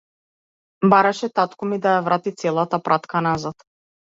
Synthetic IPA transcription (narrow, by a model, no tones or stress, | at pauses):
baɾaʃɛt̪at̪kɔmid̪ajavɾat̪it̪sɛlˠat̪apɾat̪kʰanazat̪